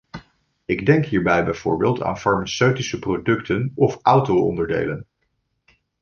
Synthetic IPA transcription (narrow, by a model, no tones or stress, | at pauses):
ɪɡdɛŋkɦiːɹbɛjbɛjv̥ʊːɹbeːlˠta̰ːnfɑɹmasøɥtisəprodɵktənɔfʌwtowɔ̰ndəɹdḛjlən